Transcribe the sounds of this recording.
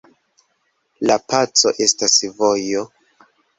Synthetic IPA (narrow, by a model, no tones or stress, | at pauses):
lapat͡so̞ʔe̞stasvo̞jo